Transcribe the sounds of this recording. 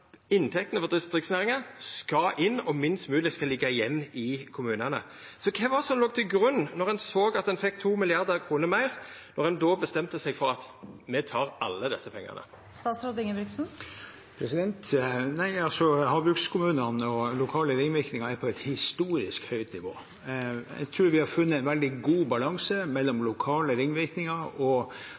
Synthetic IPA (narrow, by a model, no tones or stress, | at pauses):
ɪnt̪ʰɛk̚t̪ənəfɔʁd̪ɪsd̪ʁɪksnæːʁɪŋɑskɑʔɪnːɔmɪnst̪mʉːlɪskɑlɪɡːɑjɛmːɪkʰʊmʉːnənə̰ | sɔkʰɛʋɑsɔmloːɡ̚t̪ʰɪlɡʁʉnːɔʁɛnsoːɡɑt̪̚ɛnfɛkːt̪ʰuːmɪlɪɑʁd̪əʁkʰʁuːnəmæɪʁnɔʁɛnd̪oːbəst̪ɛmt̪əsɛɡfɔʁɑt̪mɛt̪ʰɑːʁɑlːəd̪ɛsːəpʰɛŋːɑ̰nə̰ | st̪ɑːt̪sɾod̪ɪŋəɾɪksn̩ | pʰɾɛsɪd̪ɛnt̪næɪɑlsɔhɑːbɾʉkskʰʊmʉːnənɔlʊkʰɑːləɾɪŋʋɪɾknɪŋɑɾæɾpʰɔɛt̪hɪst̪uːɾɪskhœʏt̪nɪʋo̰ː | ɛ̰ɪɡt̪ʰɾʉːɾʋɪhɑfʉnːəæɪnʋɛld̪ɪɡuːbɑlɑŋsəmɛlːɔmlʊkʰɑːləɾɪŋːʋɪɾknɪŋɑɾɔ